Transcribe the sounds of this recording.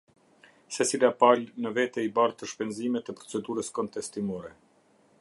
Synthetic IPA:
sɛsilapalnəvɛt̪ɛibaɾt̪əʃpɛnzimɛt̪ɛpɾɔt͡sɛd̪uɾəskɔnt̪ɛst̪imɔɾɛ

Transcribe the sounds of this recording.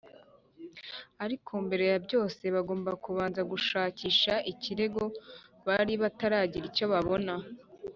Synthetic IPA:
aɾikʰumbe̞ɾe̞jabjo̞ːse̞βaɡo̞ːmbakuβaːnzaɡuʃaːciːʃaʔiciɾe̞ɡo̞βaɾiβataɾaːɟiɾico̞βaβo̞na

